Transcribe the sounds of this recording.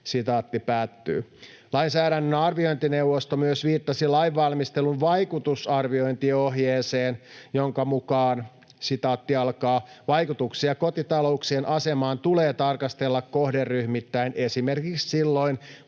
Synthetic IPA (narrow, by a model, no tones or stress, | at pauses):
sit̪ɑːt̪ːipæːt̪ːy̰ː | lɑinsæːɾænːønɑrʋiojnt̪inewʋːost̪omyøsʋiːt̪ːɑsilɑjʋːɑlmist̪elunʋɑjkut̪usɑrʋio̞int̪ioɦjeːseːnjoŋkɑmukɑːn | sit̪ɑːt̪ːiɑlkɑːʋɑjkut̪uksiɑkot̪it̪ɑlo̞uksienʔɑsemɑːnt̪uleːt̪ɑrkɑst̪elːɑkkohderːyhmit̪ːæinʔesimerkikssilːoin